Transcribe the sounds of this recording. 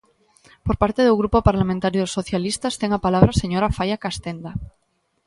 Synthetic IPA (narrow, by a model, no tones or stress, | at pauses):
poɾpaɾt̪eðuɣɾupopaɾlamẽnt̪aɾjoðosoθjalist̪ast̪eŋapalaβɾase̞ɲoɾafajakast̪end̪a